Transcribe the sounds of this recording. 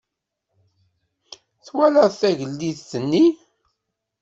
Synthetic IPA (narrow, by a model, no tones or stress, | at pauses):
θwæləʁθæʝəlːiθθənːi